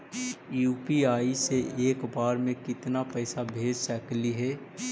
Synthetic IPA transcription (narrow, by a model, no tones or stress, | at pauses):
juːpiaːiseʔeːkbaːɾmẽkɪt̪napɛːsabʱeːd͡ʒsɛːkliɦɛː